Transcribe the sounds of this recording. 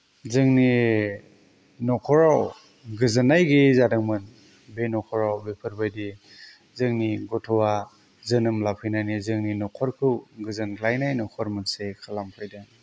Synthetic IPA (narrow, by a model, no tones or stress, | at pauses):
zɯŋni | nɔkʰɔɾaw | ɡɯzɯnajɡizadɯŋmɯn | benɔkʰɔɾawbepʰɯɾbajdi | zɯŋniɡɔtʰɔwa | zɯnɯmlapʰɯjnajnizɯŋninɔkʰɔɾkʰɯwɡɯzɯnklajnajnɔkʰɔɾmɯnsekʰalampʰɯjdan